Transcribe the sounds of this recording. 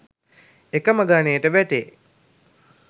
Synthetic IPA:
ekəməɡanejːəʈəʋæʈe

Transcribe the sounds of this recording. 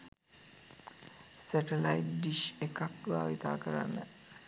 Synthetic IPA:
sæʈelajtɖiʃekakʋaːʋit̪aːkəɾa̰nːə

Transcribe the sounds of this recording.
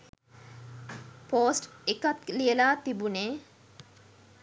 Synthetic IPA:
poːsʈekat̪lijəlaːt̪ibuneː

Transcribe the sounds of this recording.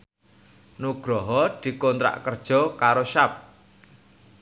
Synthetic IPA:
nuɡ̥ɾɔɦɔd̪̥i̤kont̪ɾa̰ʔkərd̥ʒ̥ɔ̤kaɾoʃap̚

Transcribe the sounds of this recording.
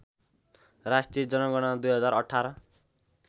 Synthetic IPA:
rasʈijed͡zʌnʌɡʌɽ̃ʌd̪ujɦʌd͡zaɾʌʈʰːaɾʌ

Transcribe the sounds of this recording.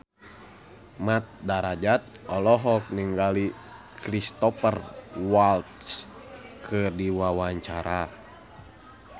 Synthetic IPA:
mat̪̚daɾad͡ʒat̪̚ɔlɔɦɔk̚niŋɡali | kɾist̪ɔpərwalt̪s | kʰɨdiwawaɲt͡ʃaɾa

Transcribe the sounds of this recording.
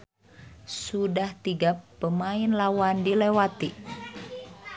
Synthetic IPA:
sudaht̪iɡapːəmaɪnlawandilewat̪i

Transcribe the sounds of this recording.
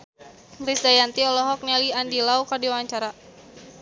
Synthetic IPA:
risdajant̪iɔlɔɦɔk̚nɛliandilaukardiwawaɲt͡ʃaɾa

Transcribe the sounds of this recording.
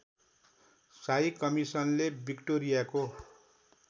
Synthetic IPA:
sajkʌmisʌnlebikʈoɾijako

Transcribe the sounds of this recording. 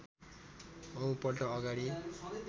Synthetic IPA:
ʌũpʌrʈʌːɡaɽi

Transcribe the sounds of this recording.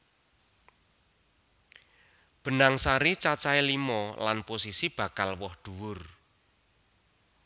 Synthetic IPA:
b̥ə̤naŋsaɾit͡ʃat͡ʃailimɔla̰nposisib̥ä̤kalwɔhd̪̥ṳwʊr

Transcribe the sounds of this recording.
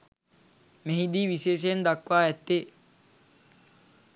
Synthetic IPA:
meɦid̪iːʋiʃeːʃ̬ejend̪akʋaːɛt̪ːe

